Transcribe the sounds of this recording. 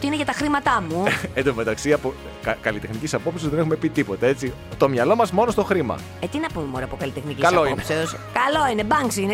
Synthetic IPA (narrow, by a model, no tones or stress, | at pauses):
t̪iineʝɐt̪ɐxɾimɐt̪ɐmuend̪ome̞t̪ɐksiɐpo | ɐkɐlit̪exnicisɐpo̞psizðe̞ne̞xume̞pit̪ipo̞t̪ee̞t͡si | t̪o̞mɲɐlo̞mɐzmo̞nost̪o̞xɾimɐ̰ | et̪inɐpumemoɾɐpokɐlit̪exnikikɐslɐoiopseos | kɐlo̞inebɐŋksine